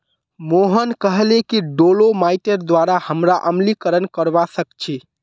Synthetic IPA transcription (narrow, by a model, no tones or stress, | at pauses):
moɦənkəɦlekiɖolomaiʈeɾd̪ʋaɾahəmɾaʔəmlikəɾənkəɾbasəkt͡ʃʰi